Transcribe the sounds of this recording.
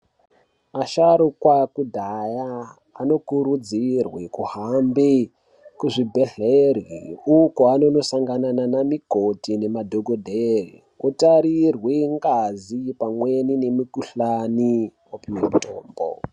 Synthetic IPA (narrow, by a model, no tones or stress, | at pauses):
aʃaɾukwakudʱajaː | no̞kuɾud͡zirwekuɦambe | kuʐibʱe̞ɮeriukoano̞no̞saŋɡanananamikotine̞madʱo̞ɡodʱerḭ | utaɾirweŋɡazipamwe̞nine̞mukuɬaniwopimito̰ːmbo̰